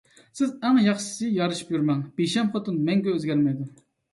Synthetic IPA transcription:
sɪzæŋjɑχʃɪ̥sɨjɑɾɨʃi̥pjyɾmɛŋb̥eʃɛmχɑt̪ɨnmɛŋɡʲɛøzɡʲɛɾmɛjd̪u

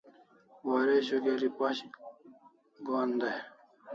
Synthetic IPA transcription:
waːɾeɕoɡeɾipaɕ | ɡoːnd̪aj

